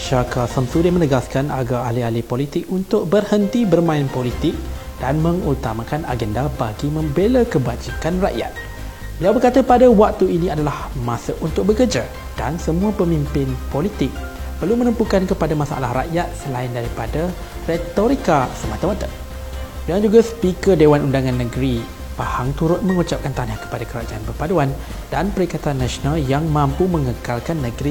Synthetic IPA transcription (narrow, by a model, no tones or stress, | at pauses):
ʃakasamsudɪmə̃nəɡaskana̰ɡaalialipolit̪ɪkunt̪ʊk̚bərhənt̪ibərmãɪnpolit̪ɪk̚d̥anmə̃ŋut̪amãkana̰ɡɛndabaɡimə̃mbelakəbad͡ʒikanra̰ʔja̰t̪̚ | bəliawbərkat̪apadawak̚t̪uinĩadalahmãsəʔunt̪ʊk̚bəkərd͡ʒa | d̥a̰nsəmũapəmĩmpɪnpolit̪ɪk̚ | pərlumə̃nəmpukankəpadamasaa̰la̰hɾa̰ʔjat̪̚səlaɪndaɾipada | ret̪oɾikasəmat̪əmat̪a | bəliad͡ʒuɡaspikədewanʔundaŋãnːə̃ɡɾi | pahaŋt̪uɾʊt̪̚mə̃ŋut͡ʃap̚kant̪anahkə̥padakəɾad͡ʒaanbərpaduan | danpəɾikat̪anːãsonaljaŋmãmpumə̃ŋəkalkanːəɡɾi